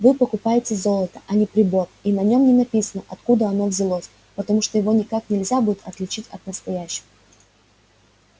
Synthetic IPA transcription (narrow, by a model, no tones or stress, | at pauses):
vɨpəkʊpajɪtʲɪzo̞lˠət̪ə̥ʔɐnʲɪpɾʲɪbo̞rinɐnʲo̞mnʲɪnɐpʲisənəʔɐt̪kud̪əɐno̞vʲzʲɪlˠosʲ | pət̪ɐmuʂt̪ojɪvo̞nʲɪkaknʲɪlʲzʲabudʲɪt̪ɐt̪lʲɪt͡ɕitʲɐt̪̚nəst̪ɐjæɕːɪə